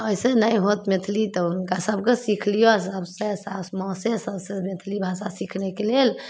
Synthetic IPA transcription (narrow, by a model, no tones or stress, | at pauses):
əisenəjɦot̪met̪ʰlit̪ɔunkasəbkesikʰlijosəbsesasmɔ̃sesəbsemet̪ʰlibʱasasikʰnekelel